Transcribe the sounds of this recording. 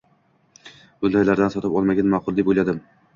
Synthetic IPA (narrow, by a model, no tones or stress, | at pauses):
b̥ʊnd̪ajlaɾd̪ansɒt̪ɪpɒlˠmaɡʲanmaqʊlˠd̪ibolad̪ɪm